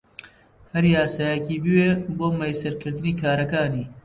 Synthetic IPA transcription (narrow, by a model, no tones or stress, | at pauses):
hɐɾjaːsaːjɐkiːbɨweːboːmɐjsɐɾkɨɾd̪ɨniːkʰaːɾɐkaːniː